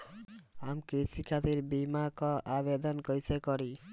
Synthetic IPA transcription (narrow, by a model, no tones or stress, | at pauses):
amkɾisikʰat̪iɾbimakɔabed̪ɔnkɔjsʰekɔɾi